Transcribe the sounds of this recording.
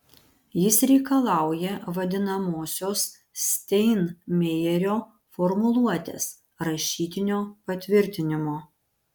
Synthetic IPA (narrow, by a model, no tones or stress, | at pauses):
jɪsɾʲɛɪkɐlˠɑˑʊjɛʋɐd̪ʲɪnɐmoːsʲoːs | sʲt̪ʲɛɪnmʲeːjɛɾʲoː | fɔɾmʊlˠuɔt̪ʲḛːs | ɾɐʃʲiːt̪ʲɪnʲoːpɐt̪ʲʋʲɪɾʲt̪ʲɪnʲɪmoː